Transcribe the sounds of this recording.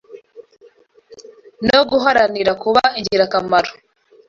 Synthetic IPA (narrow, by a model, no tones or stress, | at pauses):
noɡuɦaɾaniɾakuβaiɲɟiɾakamaɾo